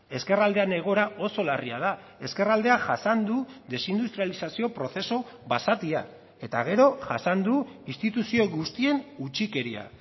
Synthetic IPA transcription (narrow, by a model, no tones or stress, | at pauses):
e̞ske̞rald̪e̞ane̞ɣ̞o̞ɾao̞so̞lariað̞a | e̞ske̞rald̪e̞aʝasand̪uðe̞sind̪ust̪ɾijalisasio̞pɾo̞θe̞so̞ | βasat̪ia | e̞t̪a̰ɣ̞e̞ɾo̞ʝasand̪uinst̪it̪usio̞ɣust̪ie̞nut͡ʃike̞ɾia̰